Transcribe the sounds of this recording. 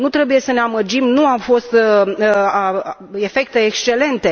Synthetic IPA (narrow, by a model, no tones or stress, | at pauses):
nut̪ɾe̞buje̞səneamərd͡ʒimnuafo̞st̪ | e̞fe̞k̚t̪e̞ːkst͡ʃe̞le̞nt̪e̞